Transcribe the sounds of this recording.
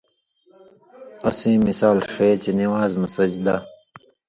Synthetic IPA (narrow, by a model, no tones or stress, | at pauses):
ɐsĩːmisaːlʂeːt͡ɕeniwaːzmɐsɐd͡ʑd̪a